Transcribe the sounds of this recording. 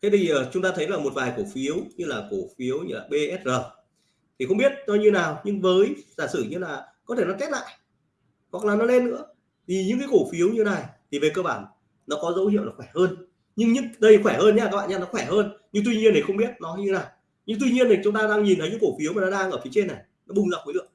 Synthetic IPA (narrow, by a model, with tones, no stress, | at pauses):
k̪ʰe˨˦t̪ʰi˨˩ʔəː˨˩t͡ɕʊ˨˦ŋ͡mt̪aː˧t̪ʰə˨˦jlaː˨˩mo˨˩t̚vaː˨˩jko˧˩fi˨˦əwɲɨ˧laː˨˩ko˧˩fi˨˦əwɲɨ̰˧laː˨˩ɓe˧ʔɛ˦˥t̚zəː˨˩ | t̪ʰi˨˩xə˧wŋ͡mɓi˦˥ət̚zɔ˨˧ɲɨ˧naː˨˩wɲɨ˧ŋvəː˨˦jzaː˧˩sɨ˧˩ɲɨ˧laː˨˩kɔ˨˦t̪ʰe˧˩nɔ˨˦ke˦˥t̚la̰ː˧˨jʔ | hwa˨˩k̚laː˨˩nɔ˨˦le˧nːɨ̰˧˥ə | t̪ʰi˨˩ɲɨ̰˧˥ŋkaː˨˦jko˧˩fi˨˦əwɲɨ˧na˨˩jt̪ʰi˨˩ve˨˩kəː˧ɓaː˧˩n | nɔ˨˦kɔ˨˦zə̰˧˦whḭ˧˨wlaː˨˩xwɛ˧˩həː˧n | ɲɨ˧ŋɲɨ̰˧˥ŋɗə˧jxwɛ˧˩həː˧nɲ˧a˧˩kaː˦˥kɓa̰ː˧˨˩ɲaː˧nɔ˨˦˥xwɛ˧˩ɦəː˧nɲɨ˧ŋt̪wi˧ɲi˧ənt̪ʰi˨˩xə˧ŋ͡mɓi˦˥ət̚nɔ˨˦ɲɨ˧naː˨˩w | ɲɨ˧ŋt̪̬wi˧ɲi˧ənt̪ʰi˨˩t͡ɕʊ˨˦ŋ͡mt̪aː˧ɗaː˧ŋɲi˨˩nt̪ʰə˨˦jɲɨ̰˧˥˦ko˧˩fi˨˦əwmaː˨˩nɔ˨˦ɗaː˧ŋʔəː˧˩fi˨˦ət͡ɕe˧nːa˨˩j | nɔ˨˦ɓʊ˧ŋ͡mzaː˨˩vəː˨˦lɨ̰˧˨əŋ